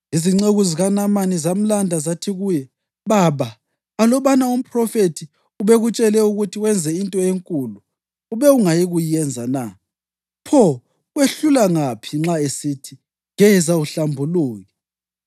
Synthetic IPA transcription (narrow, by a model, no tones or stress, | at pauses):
iziŋ͡ǀeɣuziɣanamanizam̩landʱazatʰiɣuːjɛ | βaβaː | lɔβanaum̩pʰʼrɔfetʰi | uβɛɣut͡ʃʼɛlɛuɣutʰiwɛnd͡zʱɛintʼɔeŋkʼulu | uβɛuŋajiɣujɛnd͡zʱana | pʰɔ | ɣweɬulaŋapʰiŋ͡ǁaesitʰi | ŋɛzauɬambʱuluːɣɛ